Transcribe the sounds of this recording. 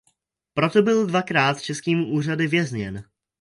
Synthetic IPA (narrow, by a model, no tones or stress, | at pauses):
pɾo̞t̪o̞bɪldvakɾaːt̪t͡ʃɛskiːmuʔuːr̝adɪvjɛzɲɛn